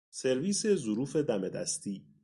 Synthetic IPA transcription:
se̞ɾviːse̞zoɾuːfe̞d̪æme̞d̪æ̰st̪ʰiː

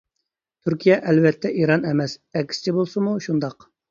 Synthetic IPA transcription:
t̪ʰyɾkʲijɛʔɛlvɛt̪ʰːɛʔiɾɑnɛmɛsɛkʲsɪ̥t͡ʃʰibolˠsɨmuʃund̪ɑq

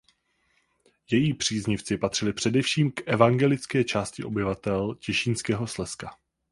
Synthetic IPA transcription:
jɛjiːpr̝̥iːzɲɪft͡sɪpat̪r̥ɪlɪpr̝̥ɛdɛfʃiːmkʔɛvaŋɡɛlɪt͡skɛːt͡ʃaːscɪʔo̞bɪvat̪ɛlcɛʃiːnskɛːɦo̞slɛska

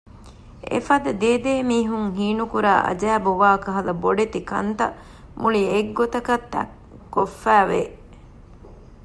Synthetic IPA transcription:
ḛfɐd̪ɐd̪eːd̪eːmiːɦuŋɦiːnukuɾa̰ːʔɐ̰d͡ʒæːbuʋaːkɐɦɐlɐboɖet̪ikɐ̰nt̪ɐ | mʔulieɡːot̪ɐkɐt̪ːɐ̰ | kːofːæːʋḛ

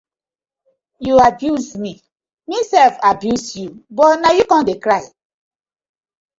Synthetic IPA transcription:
juabjuzmi | misɛlfabjusjubɔnajukɔ̃ndekɹaɪ

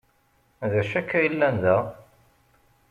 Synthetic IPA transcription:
ðæʃækːæjlːænðæ

